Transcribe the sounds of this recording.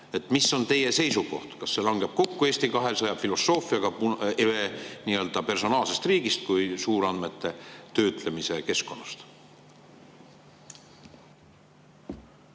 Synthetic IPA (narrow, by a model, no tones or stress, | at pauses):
e̞t̪ːˑmiso̞nt̪e̞je̞se̞jsuko̞̰ht̪kɑsːe̞lɑŋɡ̥e̞b̥̚ko̞kːue̞ːsʲt̪ikɑɦesɑjɑb̥filo̞sːo̞ːfiɑɡ̥ɑpuʔeveniːø̞ld̪̥ɑpe̞rso̞nɑːlse̞st̪riːɡist̪̚kujsuːɾɑnd̪me̞t̪ːˑe̞t̪ø̞ːt̪ˑle̞mise̞ke̞sko̞nːɑst̪